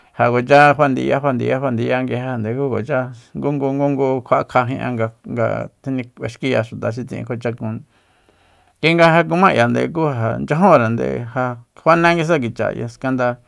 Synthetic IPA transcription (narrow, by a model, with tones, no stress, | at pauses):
ha˨ko˨t͡ʃa˦ɦʷwa˧nd̪ḭ˧ja˦hʷwa˧nd̪ḭ˧ja˦hwa˧nd̪i˧ja˦ŋɡe˧ha˧˨nd̪e˨kuː˦ko˨t͡ʃa˦ŋɡu˦ŋɡu˧ŋɡu˦ŋɡu˧kʷʰa˧˦ʔkʰa˧ɦĩ˧ʔã̰˧ŋɡa˧ŋɡa̰˧t̪ʰi˧nĩ˧e˧ʃki˦ja˧ʃu˨t̪a˨ʃ̬i˧t͡sĩ˧˨ḭ̃˧kʰʷa˧t͡ʃa˧kũ˧ | ɡi˧˦ŋɡa˧ɦa˧k̬u˧mã˦˨ja˨nd̪ḛ˧˨k̬u˦ɦa˨nd͡ʒã˦ɦõ˦ɾa˨nd̪ḛ˧˨ha˧hʷa˦nẽ˦ŋɡi˧s̬a˦k̬i˨t͡ʃa̰˨ja̰˧ska˧nd̪a˧